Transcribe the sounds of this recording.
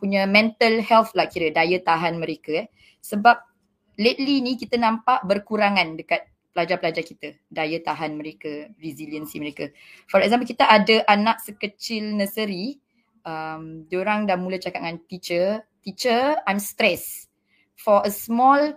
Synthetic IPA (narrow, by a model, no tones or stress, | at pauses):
puɲamɛ̃nt̪əlhɛlflakiɾədajət̪aɦanməɾekaɛ | səbap̚ | let̪̚linikit̪ənãmpaʔbərkuɾaŋãndəkat̪̚ | pəlad͡ʒapəlad͡ʒakit̪a | dajət̪aɦanməɾekəviziliənsiməɾeka | fɔɾɛk̚zamp̬əlkit̪aʔadəʔanaʔ̚səkət͡ʃɪlnəsəɾi | əmd͡ʒoɾaŋdamulət͡ʃakat̪̚ŋant̪it͡ʃət̪it͡ʃəajmst̪ɾɛs | fɔəsmɔl